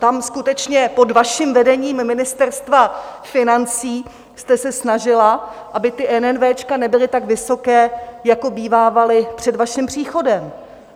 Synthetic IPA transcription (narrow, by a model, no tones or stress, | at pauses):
t̪amskut̪ɛt͡ʃɲɛpo̞dvaʃimvɛdɛɲiːmːɪnɪst̪ɛrst̪vafɪnant͡siː | st̪ɛsɛsnaʒɪlaʔabɪt̪ɪʔɛnɛnvɛːt͡ʃkanɛbɪlɪt̪aɡvɪso̞kɛːjako̞biːvaːvalɪpr̝̥ɛdvaʃɪmpr̝̥iːxo̞dɛm